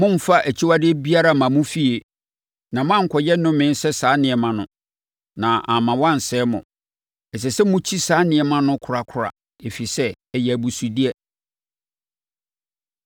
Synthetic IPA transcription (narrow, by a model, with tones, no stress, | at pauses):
mʊ̃˦m̩˨fa˦ʔæ˨t͡ɕʰi˦wa˦dɪ˦bi˦a˦ɾa˦˨mã˨mʊ̃˦fi˦e˨ | nã˨mʊ̃˦ã˦ŋ̩˨kʰɔ˨jɛ˦nʊ̃˦mɪ̃˦n˦sɛ˦saː˨˦nɪ̃˨ɛ˨mã˨nʊ̰̃˨ | nã˨ʔa˨mã˨wã˦n˨sɛː˦mʊ̰̃˨ | ɛ˨s̬ɛ˨sɛ˦mʊ̃˦t͡ɕʰi˦saː˨˦nɪ̃˨ɛ˨mã˦nʊ̃˦kʰʊ˨ɾa˨kʰʊ˨ɾa̰˨ | e˨fi˨sɛ˦ | ɛ˦jɛ˨æ˨bu˨su˨di˦ɛ˨